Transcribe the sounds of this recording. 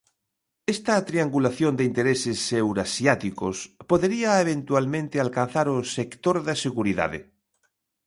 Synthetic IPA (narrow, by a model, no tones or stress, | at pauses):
est̪at̪ɾiaŋɡulaθjond̪eint̪eɾesesːewɾasjat̪ikospoðeɾiaeβ̞ẽnt̪ualmẽnt̪ealkan̟θaɾosekt̪oɾðaseɣuɾiða̰ðḛ